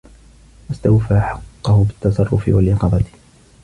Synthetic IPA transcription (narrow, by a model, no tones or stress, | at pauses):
wast̪awfaːħɑqːɑhʊbɪt̪ːɑsˤɑrˤːʊfɪ̰walʔɪqɑbɑt̪